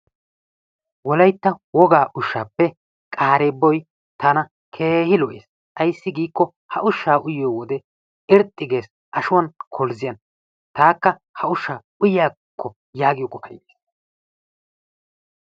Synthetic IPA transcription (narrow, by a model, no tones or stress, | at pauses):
wɔlɐjt̪ːɐwɔɡaːʔʊʃːaːpːɛ | kʼaːɾeːbːɔj | t̪ɐnɐ | kʰeːhɪlɔʔḛːs | ʔɐjsːɪɡiːkːɔ | hɐʔʊʃːaːʔʊjɪjɔwɔd̪ɛ | ɪɾt̪ʼːɪɡe̞ːs | ʔɐʃʊwɐnkʰɔlzɪjɐn | t̪aːkːɐhɐʊʃːaː | ʊjjaː | kʰːɔ | jaːɡɪjɔkʼɔfɐ̰jeːs